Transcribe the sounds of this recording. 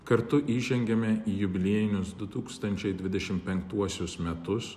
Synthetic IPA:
kɐɾt̪ʊʔiːʒʲɛŋʲɡʲɛmʲɛijʊbʲɪlʲiɛjɪnʲʊsd̪ʊt̪uːkst̪ɐnʲt͡ʃʲɛɪd̪ʲʋʲɪd̪ʲɛʃʲɪmpʲɛŋkt̪uɔsʲʊsmʲɛt̪ʊs

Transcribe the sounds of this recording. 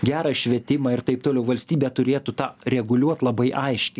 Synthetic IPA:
ɡʲæːɾɐʃʲʋʲɛt̪ʲɪmɑːɪɾt̪ɐɪpt̪oːlʲɛʊʋɐlʲsʲt̪ʲiːbʲɛːt̪ʊɾʲeːt̪ut̪ɑːɾʲɛɡʊlʲuɔt̪lˠɐbɐɪʔɐɪʃʲkʲɪ

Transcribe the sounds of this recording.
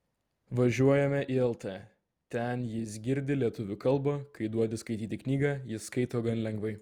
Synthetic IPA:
ʋɐʒʲuɔjɛmʲɛʔiːɛlˠt̪ɛː | t̪ʲɛnjɪs̬ɡʲɪɾʲd̪ʲɪlʲiɛt̪ʊʋʲʊkɐlˠbɐkɐɪd̪uɔd̪ʲɪskɐɪt̪ʲiːt̪ʲɪknʲiːɡɑːjɪskɐɪt̪oːɡɐnlʲɛŋɡʋɐɪ

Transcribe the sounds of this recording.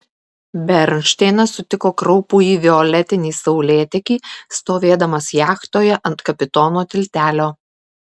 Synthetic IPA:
bʲɛɾʲnʲʃʲt̪ʲɛɪnɐsʊt̪ʲɪkoːkɾɒʊpuːiːʋʲɪɔlʲɛt̪ʲɪnʲiːsɐʊlʲeːt̪ʲɛkʲiːst̪oːʋʲeːd̪ɐmɐsjæːxt̪oːjɛʔɐnt̪kɐpʲɪt̪ɔːnoːt̪ʲɪlʲt̪ʲæːlʲoː

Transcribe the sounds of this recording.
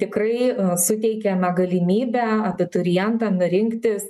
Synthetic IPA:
t̪ʲɪkɾɐɪsʊt̪ʲɛɪkʲɛnɐɡɐlʲɪmʲiːbʲæɐbʲɪt̪ʊɾʲɪjɛnt̪ɑnʊɾʲɪŋkt̪ʲɪs

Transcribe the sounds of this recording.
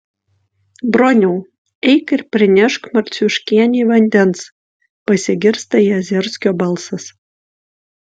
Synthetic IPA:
bɾonʲuː | ɛɪkɪɾpʲɾʲɪnʲɛʃkmɐɾʲt̪sʲʊʃʲkʲiɛnʲiːʋɐnʲd̪ʲɛns | pɐsʲɪɡʲɪɾst̪ɐiːɐzʲɛɾʲsʲkʲoːbɐlˠsɐs

